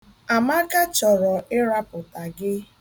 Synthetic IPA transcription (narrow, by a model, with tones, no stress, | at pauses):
a˨ma˦ka˦t͡ʃɔ˨ɾɔ˨ɪ˦ɾa˦pʊ˨ta˨ɡɪ˦